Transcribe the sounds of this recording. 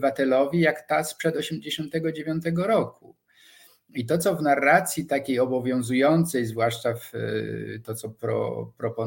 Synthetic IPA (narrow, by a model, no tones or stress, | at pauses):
vat̪ɛlɔvʲijakt̪aspʂɛd̪ɔɕɛmd͡ʑeɕɔ̃nt̪ɛɡɔd͡ʑevʲjɔ̃nt̪ɛɡɔɾɔku | it̪ɔt̪sɔvnarːat̪sʲjit̪akʲejɔbɔvʲjɔ̃w̃zujɔnt̪sɛjzvwaʂt͡ʂaf | t̪ɔt̪sɔpɾɔ̰pɾɔpɔ